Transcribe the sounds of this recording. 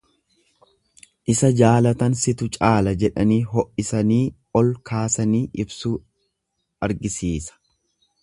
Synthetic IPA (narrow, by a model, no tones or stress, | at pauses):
ʔɪsɐd͡ʒaːlɐt̪ɐnsɪt̪ʊt͡ʃʼaːlɐd͡ʒɛᶑɐniːɦɔʔɪsɐniː | ɔlkʰaːsɐniːʔɪbsuː | ɐɾɡɪsiːsɐ̥